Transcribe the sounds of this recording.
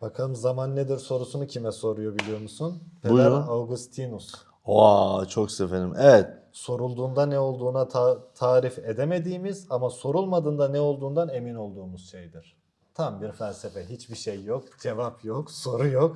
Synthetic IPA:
b̥akʰalˠɯmzamanːed̪iɾso̞ɾusunucʰimɛso̞ɾujobilʲijo̞ɾmusunfʰed̪ɛɾawɡust̪ʰinus | ot͡ʃʰoksefelʲimʔɛvɛt̪̚ | so̞ɾulˠd̪uːnd̪anɛo̞lˠd̪uːnat̪ʰat̪ʰaːɾifed̪eme̞d̪iːmizamaso̞ɾulˠmad̪ɯːnd̪anɛo̞lˠd̪uːnd̪ane̞mino̞lˠd̪uːmuz̥ʃejd̪iɾ̥ | t̪ʰambiɾfælʲsefɛɦit͡ʃbiʃejːokd͡ʒe̞vapjokso̞ɾujok

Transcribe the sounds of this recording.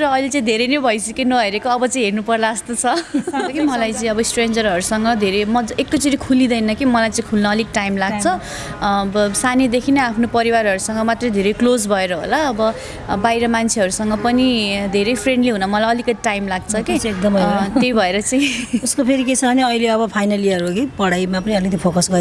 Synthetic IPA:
rʌʌilet͡sãĩd̪ʱeɾʌjnʌbʱʌjsʌkenʌɦeɾekoʌbʌt͡saĩɦernupʌrlaʌst̪ot͡sʰʌʌʌkimʌlajt͡saĩʌbʌsʈrend͡zʌrɦʌɾusʌŋɡʌd̪ʱeɾemʌd͡zek̚ʈot͡siɾikʰulid̪ʌjnʌkimʌlajt͡saĩkʰulnʌːliɡʈajmlaɡ̚t͡sʰʌ | sanid̪ekʰinʌapʰnopʌɾiwaɾɦʌɾusʌŋɡʌmat̪rʌjd̪ʱeɾʌjklod͡zbʱʌeɾʌɦo̰laʌbʌ | bajɾʌmant͡sʰeʌɾusʌŋɡʌpʌnid̪ʱeɾejpʰreɳɖliɦunʌmʌlajʌlikʌd̪iʈajmlaɡt͡sʰʌkeek̚d̪ʌmt̪ejbʱʌeɾʌt͡saĩuskopʰeɾiket͡sʰʌʌniʌjleʌbʌpʰajnaliʌɾukipʌɽajmapʌniʌilet̪jpʰokʌsɡʌɾ

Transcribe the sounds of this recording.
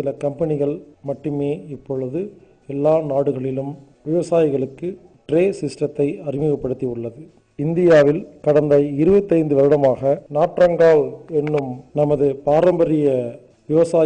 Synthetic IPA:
ɪlɐkɐmpɐnɪɣɐɭmɐʈːɯmeːɪpːɔɻɯðɯ | ɛlːaːnaːɽɯɣɐɭɪlɯm | ʋɪʋɐsaːjɪɣɐɭɯkːɯ | ʈɾeːsɪsʈrɐt̪ːɐɪɐrɪmɪɣɐpːɐɽɯt̪ːiɯɭːɐðɯ | ɪnd̪ɪjaːʋɪlkɐɽɐnd̪ɐɪɪɾɯbɐt̪ːɐɪnd̪ɯʋɐɾɪɽɐmaːɣɐnaːʈːrɐŋɡaːɭɛnːɯmnɐmɐðɯpaːɾɐmbɐɾɪjɐ | ʋɪʋɐsaː

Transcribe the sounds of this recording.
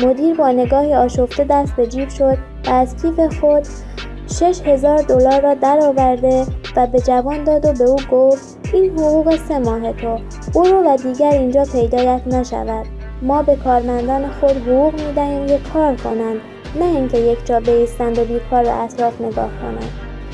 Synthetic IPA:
mod̪iːɾbɒːne̞ɡɒːhiɒːʃo̞ft̪e̞d̪æst̪̚be̞d͡ʒiːbʃo̞d̪̥̚ | væːzcʰiːfe̞xod̪ | ʃe̞ʃhe̞zɒːɾd̪o̞lɒːɾːɒːd̪æɾɒːvæɾd̪e̞væbe̞d͡ʒævɒːnd̪ɒːd̪o̞be̞uːɡoft̪ | ʔiːnɦoɣuːɣe̞se̞mɒːɦe̞t̪ʰo | uːɾovæd̪iːɟæɾiːnd͡ʒɒːpʰe̞jd̪ɒːjæt̪ʰnæʃæ̰væd̪̥ | mɒːbe̞kʰɒːɾmænd̪ɒːne̞xo̞d̪ɦoʁuːɣmiːd̪æhiːmkʰekʰɒːɾkʰo̞nænd̪ | næiŋcʰe̞je̞cʰd͡ʒɒːbe̞iːst̪ænd̪o̞biːkʰɒːɾbæ̰ʔæt̪ʰɾɒːfne̞ɡɒ̰ːhkʰo̞̰næ̰nd̪̥

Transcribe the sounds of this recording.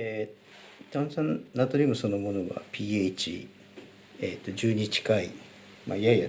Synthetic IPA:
e | t̪ãñsãnnːat̪oɲʲimoso̞no̞mo̞no̞ɡa̰pʲiːet͡ɕḭ | et̪ːo̞d͡ʑɨːɲ̟it͡ɕi̥kai | ma̰ijaija

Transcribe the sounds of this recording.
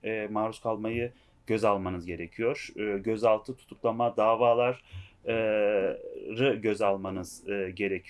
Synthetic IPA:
ɛmaːɾuskʰalˠmajɯ | ɟ̥ø̞zalˠmanɯzɟe̞ɾecʰijo̞ɾ̥ːɟøzalˠt̪ʰɯt̪ʰu̥t̪ʰuklˠamad̪aːvaːlˠaɾ | ɾɯɟø̞zalˠmanɯz̥ɯːɟe̞ɾecʰi

